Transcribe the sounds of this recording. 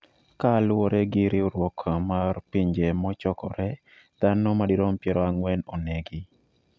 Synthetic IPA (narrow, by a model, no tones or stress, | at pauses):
kalʊɔɾɛɡɪɾɪoɾwɔkʰmarpiɲd͡ʒemɔt͡ʃɔkɔɾɛ | d̪̥anɔmadiɾompjɛɾɔaŋwɛnonɛɡi